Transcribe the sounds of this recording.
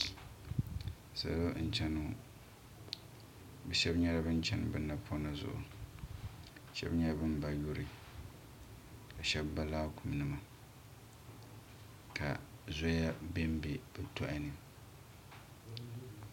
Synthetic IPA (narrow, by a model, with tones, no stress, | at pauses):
sa̰˨lo˦n̩˨t͡ʃɛ˦nu˨˦ | bɛ˨ʃɛ˦bɲɛ˦ɾa˦bɨ˦n˦t͡ʃɛ˦n˨bɨ˨nːa˨pʰo˦na˨zʊ̰˦˨ʔʊ̰˨ | ʃɛ̰˦bɲɛ˦ɾa˦bɨ˦m˦ba˨jo˦ɾi˨ | ka˨ʃɛ˦bːa˦laː˦kʊ˨m˨nɨ˦ma˨ | ka̰˨zo˦ja˦be˦m˦be˨b̥ɛ˨tʰʊ˦ʔa˨nɨ˨